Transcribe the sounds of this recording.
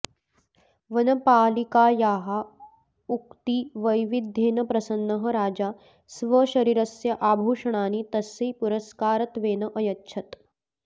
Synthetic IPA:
ʋɐnɐpaːlikaːjaːɦa | ukt̪iːʋɐjʋid̪ʱːeːnɐpɾɐsɐnːɐɦə̆ɾaːd͡ʒaː | sʋəɕɐɾiːɾɐsjɐʔaːbʱuːʂɐɳ̃aːnit̪ɐsiːpuɾəskaːɾɐt̪ʋeːnɐʔɐjɐtːʃʰɐt̪

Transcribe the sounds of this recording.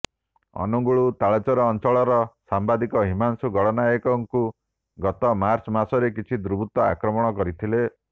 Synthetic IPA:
ɔ̰nuɡuɭut̪aɭat͡ʃɔɾɔːnt͡ʃɔɭɔɾɔsambad̪ikɔɦimansuɡɔɽɔnaekɔŋku | ɡɔt̪ɔmaɾt͡ʃɔmasɔɾekit͡ʃʰid̪ɾubʱut̪ɔa̰kɾɔmɔɽ̃ɔkɔɾit̪ʰile

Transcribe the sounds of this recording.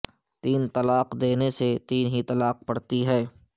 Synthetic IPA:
t̪iːnt̪ɐlaːqd̪eːneset̪iːnɦit̪ɐlaːq̚pɐɽt̪iɦɛː

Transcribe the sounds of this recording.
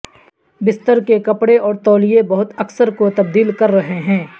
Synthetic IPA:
bɪst̪əɾkekɐpɽeʔɔːɾt̪ɔːlijẽbɐɦʊt̪ɐksəɾkot̪ɐb̚d̪iːlkɐɾːɐɦeɦɛ̃ː

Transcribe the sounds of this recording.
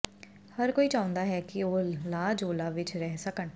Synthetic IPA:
həɾkoːiːt͡ʃãːʊ̃nd̪aːɦɛːkɪoːlaːd͡ʒoːlaːʋɪt͡ʃɾɛːsəkən

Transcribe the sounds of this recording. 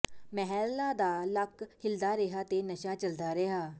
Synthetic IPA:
mɛɦɛːllaːd̪aːləkhɪld̪aːɾeɦaːt̪eːnəʃaːt͡ʃəld̪aːɾeɦaː

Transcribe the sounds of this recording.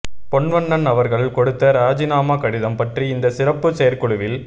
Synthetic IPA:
pɔɳʋɐɳːɐnɐʋɐɾɣɐɭkɔɽɯt̪ːɐɾaːd͡ʒɪnaːmɐkɐɽɪðɐmpɐʈriɪnd̪ɐsɪrɐpːɯseːɐɾkɔɭɯʋɪl

